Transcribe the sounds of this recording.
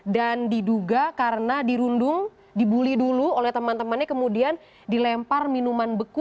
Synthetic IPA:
dandiduɡakaɾənadiɾundʊŋ | dibuliduluolɛht̪əmant̪əmanɲakəmudian | dilɛmparminumanbəku

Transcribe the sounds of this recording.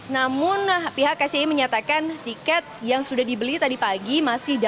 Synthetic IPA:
namʊnpiɦakːat͡ʃeiməɲat̪akant̪ikɛt̪̚jaŋsudahdibəlit̪adipaɡimasɪhda

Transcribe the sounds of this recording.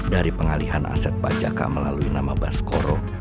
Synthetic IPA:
daɾipəŋaliɦana̰sɛt̪̚pad͡ʒa̰ka̰ʔməlaluinamabaskoɾɔ

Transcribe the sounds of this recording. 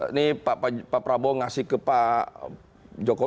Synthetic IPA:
nipapapapɾabɔŋasɪkəpa | d͡ʒokɔ

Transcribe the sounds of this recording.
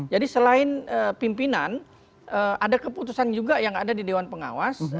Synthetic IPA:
d͡ʒadisəlaɪnəpimpinan | ʔəadakəput̪usand͡ʒuɡajaŋadadidewanpəŋa̰was

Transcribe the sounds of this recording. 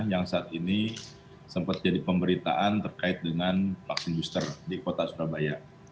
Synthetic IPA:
jaŋsaːt̪ini | səmpat̪̚d͡ʒadipəmbəɾit̪a̰ʔant̪ərkaɪt̪̚dəŋanfaksɪnbust̪ərdikot̪asuɾabaja

